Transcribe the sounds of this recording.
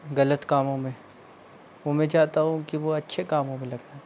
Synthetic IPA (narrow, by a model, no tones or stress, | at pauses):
ɣɐlət̪kaːmõmẽ | ʋomɛ̃t͡ʃaːt̪aɦũkiʋoɐtːʃʰekaːmõmẽlɐɡ̪aɦɛ